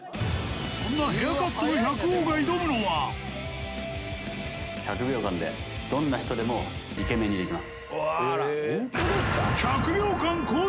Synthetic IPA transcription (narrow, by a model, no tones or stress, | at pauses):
sõ̞nːaɦejakat̪ːonoçakɯ̟oːɡaid̪o̞mɯ̟no̞βa | çakɯ̟bʲjo̞ːkãnd̪e̞̰ | d̪̥õ̞nːaçi̥t̪od̪e̞mo̞ | ike̞mẽ̞ɲ̟ːid̪e̞kʲimasɨ̥ | k̪eskçakɯ̟bʲjo̞ːkãŋkoː